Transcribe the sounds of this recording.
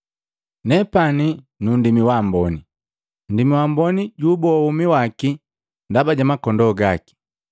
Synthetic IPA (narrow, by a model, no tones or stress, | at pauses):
nɛpani | nundimiwambɔni | n̩dimiwambɔniɟubɔumiwaki | ndabaɟamakɔndɔɡaki̥